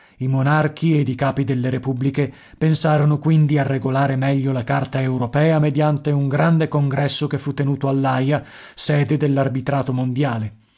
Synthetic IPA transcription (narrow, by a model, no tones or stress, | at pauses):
imonark̟ʰied̪ikaːpid̪elːeɾepublike | pensaːɾonokwind̪iarːeɡolaːɾemɛʎːolakart̪aeuwɾopɛːamed̪jant̪euŋɡɾand̪ekoŋɡɾɛsːokefːut̪ːenuːt̪oalːaja | sɛːd̪ed̪elːarbit̪ɾaːt̪omond̪jaːle